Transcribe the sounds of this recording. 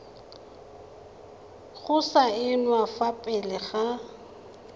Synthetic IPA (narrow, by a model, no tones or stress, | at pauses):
ɣʊsaɪnwafapʼɪlɪɣa